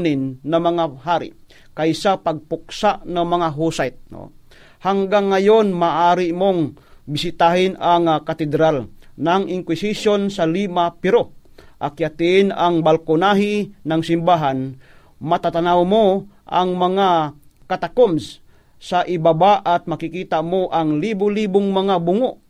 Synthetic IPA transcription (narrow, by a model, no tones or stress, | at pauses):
nɪnːamɐŋaɦaːɾɪ̰ | kajsapaɡ̚pʊk̚saʔnaŋmɐŋaɦusajt̪̚no̰ | haŋɡaŋːajonmaːʔaːɾɪmoŋbɪsɪt̪aɦɪnaŋakat̪ɛd̪ɾalnaŋɪŋkwɪsisjonsaliːmapɛɾoʔakjat̪inaŋbalkʊnaɦɪnaŋsɪmbaɦan | mat̪at̪anawmo | ʔa̰ŋmaŋakat̪akoms | saʔɪbabaʔat̪̚makikiːt̪amoʔaŋlibʊliːbʊŋmaŋabʊŋoʔ